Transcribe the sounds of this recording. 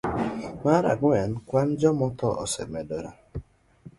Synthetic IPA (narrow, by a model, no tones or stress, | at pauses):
maɾa̰ɡwɛnkwand͡ʒɔmɔtɔʔɔ̰sɛmɛdɔɾa̰